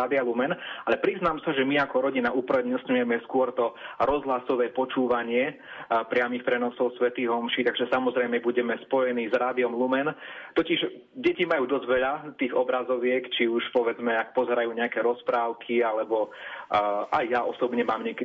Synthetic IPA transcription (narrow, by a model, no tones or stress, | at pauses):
aːd̪ialumɛnalɛpɾiznamsaʒɛmiakɔɾɔɟinaʔuːpɾ̩ɛɲɛsɲujɛmɛskʊɔɾt̪ɔɾɔzɦlasɔʋɛːpɔt͡ʃuːʋaɲɪɛ | pɾɪamixpɾɛnɔsɔʊsʋɛt̪iːɣɦɔmʃiːt̪aɡʒɛsamɔzɾɛjmɛbuɟɛmɛspɔjɛniːzɾaːd̪iɔmlumɛnt̪ɔciʒ | ɟɛcimajuːd̪ɔzɟʋɛʎat̪iːɣɔbɾazɔʋɪɛkt͡ʃiuʃpɔʋɛd͡zmɛak̚pɔzɛɾajuːɲɛakɛːɾɔspɾaːʊkʰialɛbɔ | ʔajːaʔɔ̰sɔbɲɛmaːmɲɛk